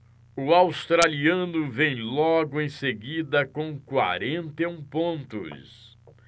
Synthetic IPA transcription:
ʊawst̪ɾaliɐ̃nʊvẽj̃lɔɡʊẽj̃seɡid̪ɐkõkwa̰ɾẽnt̪eũpõnt̪ʊ̰s

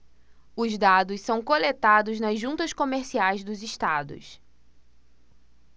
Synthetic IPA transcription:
ʊzd̪ad̪ʊssɐ̃w̃kolet̪ad̪ʊznɐzʒũnt̪ɐskomeɾsiajzd̪ʊziʃt̪ad̪ʊ̰s

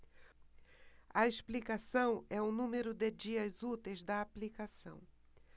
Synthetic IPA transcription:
ɐesplikasɐ̃w̃ɛʊnũmeɾʊd̪ed͡ʒiɐzut̪ejzd̪ɐːplikasɐ̰̃w̃

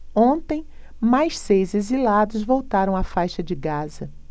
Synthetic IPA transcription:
õnt̪ẽj̃ | majʃsejzezilad̪ʊzvowt̪aɾɐ̃w̃ɐfajʃɐd͡ʒɪɡazɐ

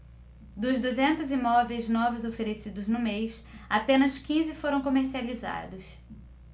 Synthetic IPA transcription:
d̪ʊzd̪uzẽnt̪ʊzimɔvejznɔvɪjzofeɾesid̪ʊznʊmejsapẽnɐskĩzɪfoɾɐ̃w̃komeɾsializa̰d̪ʊs

